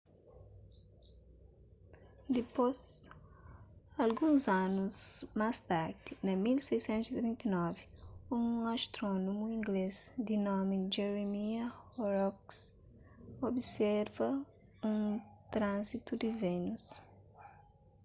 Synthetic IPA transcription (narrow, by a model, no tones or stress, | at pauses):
d̪ipoz | alɡũzãnuzmast̪aɾd̪inɛmilsejsẽnt̪uzit̪ɾĩnt̪inɔvi̥ũaʃt̪ɾɔnomuĩŋɡlezd̪inɔ̃mid͡ʒɛɾemiɐɔɾɔks | obisɛɾvɐ | ũt̪ɾãzit̪ud̪ivenus